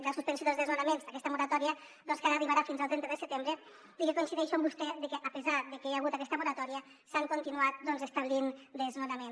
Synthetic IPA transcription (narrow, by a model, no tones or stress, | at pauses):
ɡasuspensjoðelzðezmanamenzakɛst̪amuɾat̪ɔɾia | d̪ɔnskaɾariβaɾafinzalˠt̪ɾɛnt̪ɾðəsət̪embɾe | d̪ikekonsiðɛʃombust̪ɛðekeʔapezaðekejaɣ̞ut̪akɛst̪amuɾat̪ɔɾia | saŋkont̪inuat̪̚d̪ɔnzest̪aβ̞lind̪ezmanamẽn